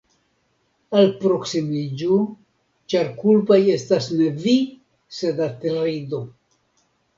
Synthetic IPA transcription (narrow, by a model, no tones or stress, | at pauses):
alpɾo̞ksimid͡ʒu | t͡ʃaɾkulpaje̞stasne̞vi | se̞dateɾido̞